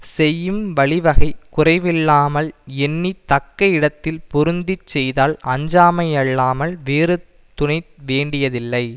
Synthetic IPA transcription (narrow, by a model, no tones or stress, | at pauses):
sɛjːɯmʋɐɭɪʋɐɣɐɪkʊrɐɪʋɪlːaːmɐlɛnːit̪ɐkːɐɪɽɐt̪ːɪlpʊɾɯnd̪ɪt͡ʃːɛjðaːlɐɲd͡ʒaːmɐjɐɭːaːmɐlʋeːɾɯ | t̪ːʊɳɐɪt̪ʋeːɳɖɪjɐðɪlːɐɪ